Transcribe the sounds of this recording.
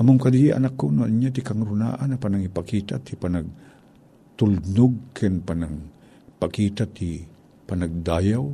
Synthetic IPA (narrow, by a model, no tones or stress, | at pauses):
ʔɐmomkɐliʔɐ̰nakːonoʔaɲat̪ɪkaŋɾʊna̰ːʔanɐpanaŋɪpakiːt̪a̰t̪ipanaɡ̚ | t̪ʊlnʊɡ̚kʰɪnpanaŋ | pakiːt̪at̪i | panaɡ̚d̪aːjaw